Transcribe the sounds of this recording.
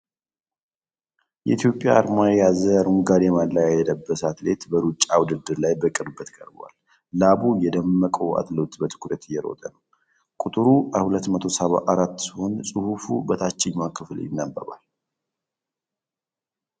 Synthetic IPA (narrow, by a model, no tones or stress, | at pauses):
jɛ̰it̪ʰjo̞pʼja̰aɾmajazəɾuŋɡaɾɛmallajajɛd̪əbːəsat̪let̪bəɾut͡ʃʼːawʊd̪ɨd̪ːɨɾlajbəkʼɨɾbət̪ʰkʼəɾbwa̰l | laβujɛd̪əmːəkʼəwa̰t̪ləwt̪bət̪ʰɨ̥kʰɾət̪ɪjɛɾo̞̰t̪ʼənəw | kʼut̪ʼɨɾuʔahulət̪ːmət̪ʰo̞səβa̰ʔaɾat̪ːsɨhonsʼɨhufubət̪ʰat͡ʃːɪɲmakʰːɨfljɪ̰nːabːə̰βa̰l